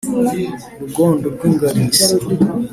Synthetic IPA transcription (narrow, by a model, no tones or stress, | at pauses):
ɾuɡoːndob̚ɡwiŋɡaɾi